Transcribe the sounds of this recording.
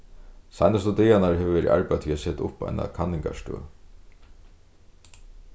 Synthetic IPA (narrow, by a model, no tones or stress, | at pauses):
sajnas̬t̪ɔt̪ɛjanaɹɦɛʋəvɛːɾḭʔa̰ɹpajt̪ʰiːasɛːt̪ʊ̰pa̰jna̰kʰanːɪŋka̰ʂt̪ø̰ː